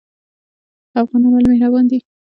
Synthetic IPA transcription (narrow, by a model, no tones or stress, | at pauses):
afɣɑnɑnwalmehɾabɑnd̪i